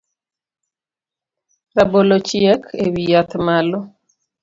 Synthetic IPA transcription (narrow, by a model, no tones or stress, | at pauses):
rabolot͡ʃjɛkʰewijat̪malɔ